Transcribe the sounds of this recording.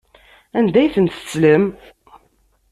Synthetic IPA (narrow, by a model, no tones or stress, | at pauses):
ænd̪æjθənt̪ə̥sləm